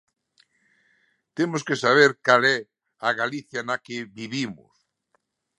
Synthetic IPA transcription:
t̪emoskesaβ̞eɾkalɛ | aɣaliθjanakeβiβimʊ̰s

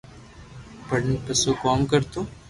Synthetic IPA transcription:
pɐɽnpɐsokɔːmkɐɾt̪õː

